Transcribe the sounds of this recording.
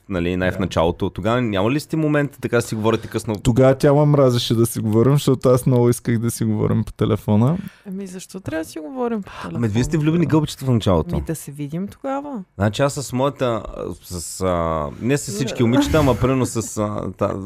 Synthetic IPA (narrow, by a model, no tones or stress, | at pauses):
nɐlinajfnɐt͡ʃa̰lˠot̪ot̪oɡavənʲamɐlist̪ɛmomɛnt̪t̪ɐkad̪ɐsiɡovɔɾit̪ɛkɤsnot̪oɡavət̪ʲamɐmɾazɛʃɛd̪ɐsiɡovɔɾimʃt̪ɔt̪oasnɔvʊiskəxd̪ɐsiɡovɔ̰ɾḭmpo̥t̪ɛlɛfɔnəɐmizɐʃt̪ɔt̪ɾʲavsiɡovɔɾimpmɛd̪vʲist̪ɛvlʲubiniɡɤlˠbət͡ʃi̥t̪əfnɐt͡ʃalˠo̰t̪o̰d̪ɐsɛvid̪imt̪oɡavəznat͡ʃiasːɐsmɔjət̪əsɐsənɛsɐsːit͡ʃkʲiʊmit͡ʃt̪əmɐpɾimɛɾnosɐst̪a̰